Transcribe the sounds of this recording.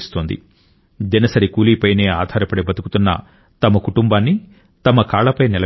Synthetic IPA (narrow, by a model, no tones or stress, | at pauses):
st̪oːnd̪ḭ | d͡ʒ̪ɐnɐsɐɾikuːliːpɐjne̞ːaːd̪ʱaːɾɐpɐɽebɐt̪uku̥t̪unːɐ̰ | t̪ɐmɐkuʈumbaːnːi | t̪ɐmɐkaːɭɐpɐjnilɐ